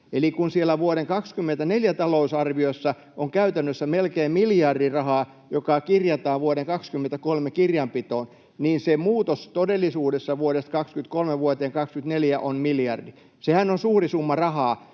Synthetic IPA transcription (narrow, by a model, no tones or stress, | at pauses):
elikunsielːˑæʋuoɾeŋkɑkskymːent̪æneljæt̪ɑlousɑrʋiosːɑ | ʔoŋkæyt̪ænːøsːæmelkeːmmiljɑrdirɑhɑː | jokɑkirjɑt̪ɑːʋʋuoɾeŋkɑkskymːent̪ækolmekirjɑmpit̪oːn | niːnsemuːt̪ost̪odelːisuːdesːɑʋuoɾest̪kɑkskynt̪̚kolmeʋuot̪eːŋkɑkskyt̪neljæʔonmiljɑrdi | sehænonsuːrisumːɑrɑhɑː